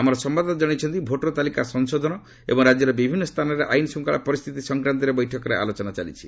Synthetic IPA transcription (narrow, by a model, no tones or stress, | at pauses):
amɔɾɔsɔmbad̪ʱɔɔd͡ʒɔɽ̃it͡ʃʰɔnt̪ibʱoʈɾɔt̪alikasɔŋsod̪ʱɔnɔ | ḛbɔŋɾad͡ʒjɔɾɔbibʱinːɔst̪ʰanɔɾeʔajnɔsuŋkaɭapɔɾist̪ʰit̪isɔŋkɾant̪̬ɔɾebɔjʈʰɔkɔɾea̰lot͡ʃɔnat͡ʃalḭt͡ʃʰi̥